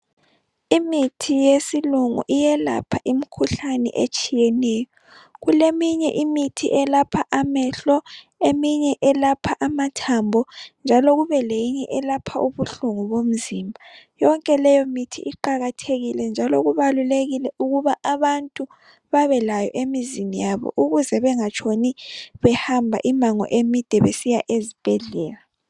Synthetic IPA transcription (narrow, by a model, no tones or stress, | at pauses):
imitʰijesiluŋṵʔijɛla̰pʰaʔimikʰuɬanɛ̰ʔet͡ʃʼijɛnɛjɔ | ɣulemiɲɛʔimitʰiʔɛlapʰaʔamɛɬɔ | emiɲɛʔɛlapʰaʔamatʰambʱɔnd͡ʒʱaloɣuβɛlejiɲɛʔɛlapʰaʔuβuɬuŋuβom̩ziːmbʱajɔŋkʼɛlɛjɔmitʰḭʔiǃaɣatʰeɣilɛnd͡ʒʱaloɣuβaluleɣilɛuɣuβaʔaβantʼu | βaβɛlajɔʔemizinijaβɔ̰ʔuɣuzɛβɛŋat͡ʃʰoniβɛhambʱa̰ʔimaŋɔ̰ʔemid̥ʱɛβesijaʔezib̥ʱɛɮɛːla